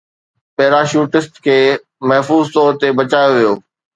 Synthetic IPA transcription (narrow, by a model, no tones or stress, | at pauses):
pɐɦɾaʃuːʈɪsʈkʰeː | mɐɦfuːzt̪ɔːɾt̪ebɐt͡ɕaːjoʋijoː